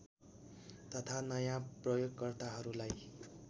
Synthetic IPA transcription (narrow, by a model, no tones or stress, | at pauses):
t̪ʌt̪ʰanʌjãprʌjoɡkʌrt̪aɦʌɾulaj